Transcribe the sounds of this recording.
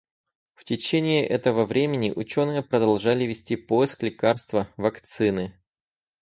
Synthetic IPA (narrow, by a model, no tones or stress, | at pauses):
ftʲɪt͡ɕenʲɪɪʔɛt̪əvəvɾʲemʲɪnʲɪ̰ʔʊt͡ɕonɨjəpɾəd̪ɐlˠʐalʲɪvʲɪsʲtʲipo̞jɪsklʲɪkarst̪vəvɐkt̪sɨnɨ